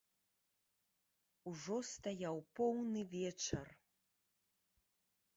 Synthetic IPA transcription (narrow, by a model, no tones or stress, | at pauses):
uʐɔst̪ajawpɔwnɨvʲɛt͡ʂɐr